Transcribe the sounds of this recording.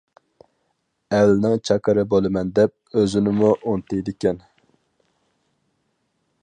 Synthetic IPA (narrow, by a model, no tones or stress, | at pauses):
ɛlːɪnɪŋt͡ʃʰɑkʰəɾɨbolˠɨmɛnd̪ɛp̚øzɪnɪmuʔont̪ɪjd̪ɪkʲɛn